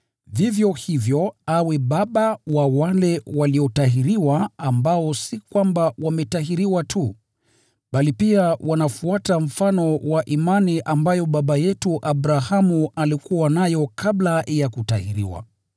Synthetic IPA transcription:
vivjɔhivjɔawɛɓaɓawawalɛwaliɔtaɦiɾiwaːmbaɔsikwambawamɛtaɦiɾiwatʰu | ɓalipiawanafuatam̩fanɔwaʔimaniʔambajɔɓaɓajɛtuʔabɾahamualikuwanajɔkablajakutahiɾḭwa̰

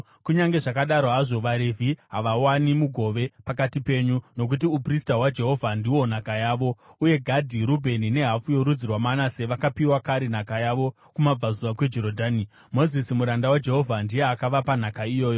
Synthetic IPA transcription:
kuɲaŋɡe̞ʐakaɗaɾoɦaʐo̞ʋaɾevʱiɦaʋawanimuɡʱo̞ʋe̞pakatipe̞ːɲuno̞k̬ut̬iupristawad͡ʒe̞ɦo̞vʱandiwo̞n̤akajaːʋo̞uje̞ɡʱadʱiɾubʱe̞nine̞ɦafujo̞ɾud͡zirwamanase̞ʋakapiwakaɾen̤akajaʋo̞ | kumab͡vazuʋakwe̞d͡ʒoɾodʱaːni | mo̞zisimuɾandawad͡ʒe̞ɦo̞vʱandije̞akaʋapan̤akaijo̞ːjo

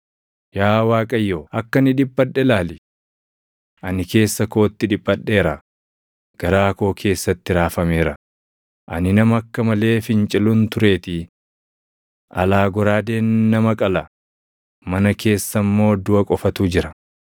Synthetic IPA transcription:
jaːwaːkʼɐjːoːɐkːɐnɪᶑɪbːɐɗːɛlaːlɪ | ʔɐnɪke̞ːsːɐko̞ːt̪ːɪᶑɪbːɐᶑːe̞ːɾɐ | ɡ̥ɐɾaːko̞ːkʰe̞ːsːɐt̪ːɪɾaːfɐmeːɾɐ | ʔɐ̰nɪnɐmɐɐkːɐmɐle̞ːfɪnt͡ʃʼɪlʊnt̪ʊɾe̞ːt̪ɪ | ʔɐ̰laːɡɔɾaːd̪e̞ːnːɐmɐkʼɐlɐ | mɐnɐke̞ːsːɐmːo̞ːd̪ʊɐkʼɔfɐt̪uːd͡ʒɪɾɐ

